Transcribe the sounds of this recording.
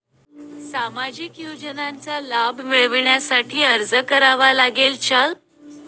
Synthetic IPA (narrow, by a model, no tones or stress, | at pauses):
samad͡ʑikjod͡ʑənant͡salabmiɭʋɳjasaʈʰiːəɾd͡zəkəɾaʋalaɡelt͡ɕəl